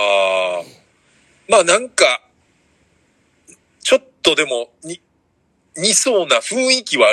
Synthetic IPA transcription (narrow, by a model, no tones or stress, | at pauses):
aː | maːnãŋka | t͡ɕo̞t̪ːo̞d̪e̞mo̞ɲi | ɲ̟iso̞ːnaɸɯ̟̃ɰ̃ikʲiβaː